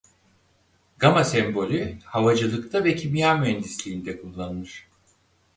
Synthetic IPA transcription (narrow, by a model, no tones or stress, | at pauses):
ɡ̥amasɛmbo̞lʲyhavad͡ʒɯlˠɯkt̪ʰavɛcʰimjaːmyɛnzislʲiːnd̪ɛkʰulˠːanɯnɯɾ̥